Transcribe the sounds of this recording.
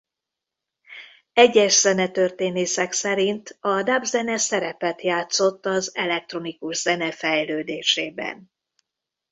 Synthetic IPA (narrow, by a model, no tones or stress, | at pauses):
ɛɟːɛʃz̥ɛnɛt̪ørt̪eːneːsɛksɛɾint̪ɒd̪abzɛnɛsɛɾɛpɛt̪jaːt̪so̞t̪ːɒzɛlɛk̚t̪ro̞nikuʒz̥ɛnɛfɛjløːd̪eːʃeːbɛ̰n